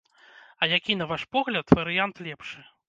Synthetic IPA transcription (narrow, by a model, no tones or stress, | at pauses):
ɐjakʲinɐvaʂpɔɣlʲɐt̪vɐɾɨjant̪lʲɛpʂɨ